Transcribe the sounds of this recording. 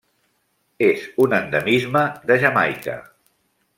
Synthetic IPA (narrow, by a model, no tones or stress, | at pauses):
ezunənd̪əmizməðəʒəma̰jkə̰